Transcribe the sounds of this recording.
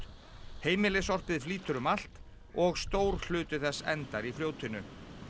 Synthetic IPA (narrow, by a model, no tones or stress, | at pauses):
heːjmɪlɪsɔr̥pɪðfliːt̪ʏɾʏmal̥t̪ | ɔɣst̪oːwɾ̥l̥ʏːt̪ʏθɛsːɛ̰nt̪aɾifljoːwt̪ɪnʏ